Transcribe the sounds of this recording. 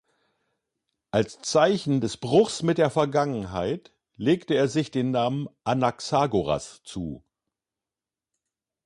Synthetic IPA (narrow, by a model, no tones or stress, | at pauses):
ʔalst͡saɪçn̩dɛsb̥ʁʊxsmɪt̚d̥eːɐfɛɐɡaŋənɦa̰ɪt | leːktəeːɐzɪçd̥eːnːaːmənʔanaksaːɡoʁa̰st͡sṵː